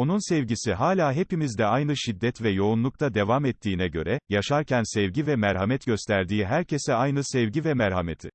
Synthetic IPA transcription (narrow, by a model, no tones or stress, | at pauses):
o̞nunsɛvɟisiɦaːlʲaːɦe̞pimizd̪ɛajnɯʃid̪ːɛt̪vɛjo̞unlˠuk̚t̪ʰad̪e̞vamɛt̪ʰːiːnɛɟø̞̰ɾɛjaʃaɾcʰænsɛvɟivɛmæɾɦamɛt̪ɟø̞st̪ʰæɾd̪iːɦæɾcʰe̞sɛajnɯsɛvɟivɛmæɾɦamet̪ʰi